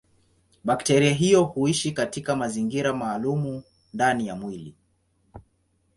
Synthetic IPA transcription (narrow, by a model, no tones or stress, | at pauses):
ɓaktɛɾiaɦijɔhuiʃikatikamaziŋɡiɾamaːlumu | ndanijamwilḭ